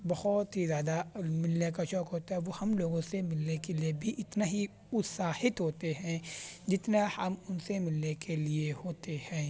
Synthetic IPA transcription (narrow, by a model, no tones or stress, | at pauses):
bɐhɔt̪ɦizjaːd̪amɪlnekaʃɔːkɦoːt̪aɦɛʋohɐmloːɡõsemɪlnekeliebʱiʔɪt̪naɦi | ʊt̪saːhɪt̪ɦoːt̪eɦɛ̃ːd͡ʒɪt̪nahɐmʊnsemɪlnekeliehoːt̪ehɛ̃ː